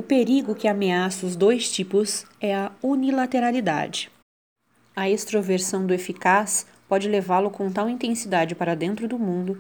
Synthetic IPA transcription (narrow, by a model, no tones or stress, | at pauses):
ʊpeɾiɡʊkɪameasɐʊzd̪ojst͡ʃipʊsɛɐunilat̪eɾalid̪a̰d͡ʒɪ | ɐest̪ɾoveɾsɐ̃w̃d̪ʊefikas | pɔd͡ʒɪlevalʊkõt̪awĩt̪ẽsid̪ad͡ʒɪpaɾɐd̪ẽnt̪ɾʊd̪ʊmũnd̪ʊ